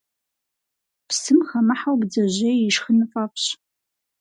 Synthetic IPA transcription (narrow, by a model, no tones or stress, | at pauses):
psɨmχamaħawbd͡zɐʑejiʂχənɨfʼapʰʼɕ